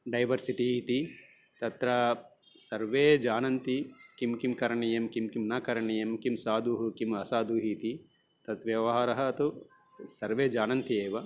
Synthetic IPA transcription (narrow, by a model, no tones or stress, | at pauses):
ɖɐjʋɐɾsiʈit̪i | t̪ɐt̪ɾɐ | sɐɾʋeːd͡ʒaːnɐnt̪ikimkimkɐɾɐɳijɐmkimkimnɐkɐɾɐɳijɐmkimsaːd̪ʱuːɦukimɐsaːd̪uːɦiːt̪i | t̪ɐt̪ʋjɐʋɐɦaːɾɐɦɐːt̪u | sɐɾʋeːd͡ʒaːnɐnt̪ieːʋɐ